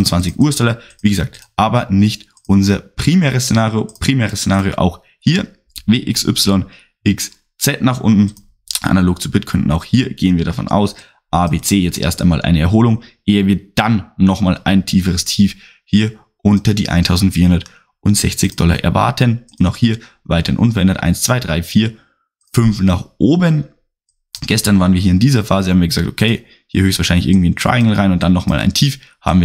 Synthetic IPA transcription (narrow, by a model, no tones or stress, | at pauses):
nt͡sv̥ant͡sɪçʔuːɐsd̥ɔlɐviːɡəza̰ːk̚tʔaːbɐnɪçt | ʔʊnzɐpʁ̥imɛːʁəst͡senaːʁjopʁ̥imɛːʁəst͡sːenaːʁjo̰ːʔa̰ʊx | hiːɐ | veːʔɪksʔʏ̰psɪlɔn | ʔɪks | t͡sɛtnaːχʔʊ̰ntn̩ | ʔa̰naloːkt͡subɪtkʰʏndn̩aʊxhiːɐɡ̥eːənviːɐɾafɔ̰na̰ʊs | ʔaːbeːt͡seːjɛt͡stʔḛːɐstaɪnmaːlʔa̰ɪnəɛɐɦoːlʊŋʔeːənvɪːɐd̥anːɔχmaːlʔaɪntʰiːfəʁəstʰiːf | hiːɐ | ʔʊntɐdḭːʔa̰ɪntʰaʊzn̩tfiːɐhʊndɐt | ʔʊntz̥ɛ̰çt͡sɪçd̥ɔlɐ̰ʔɛ̰ɐva̰ɐtʰənʊnaʊxhiːɐ | vaɪtɐhɪnʔʊ̰nfɛɐʔɛndɐtʔa̰ɪnst͡sv̥aɪdʁaɪfiːɐ | fʏnfnaːχʔoːbən | ɡ̥ɛstɐnvaːʁən̩viɐɦiːɐɪndiːzɐfaːzəhaːm̩viːɐɡəzaːk̚tokʰeɪ | hiːɐhøːçstv̥aːʃaɪnlɪçʔɪɐɡŋ̩tv̥iːɪntʁ̥a̰ɪɪŋl̩ʁaɪnʊntd̥anːɔχma̰ːlʔa̰ɪntʰiːf | ha̰ːbm̩viː